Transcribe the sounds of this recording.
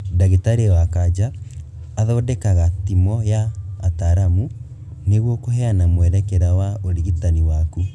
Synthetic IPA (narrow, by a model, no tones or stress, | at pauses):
daɣitaɾewakad͡ʒaː | ðɔːdɛkaɣatimɔjaːtaɾamu | neɣwɔkohɛanamwɛɾɛkɛɾawaoɾiɣitaniwaku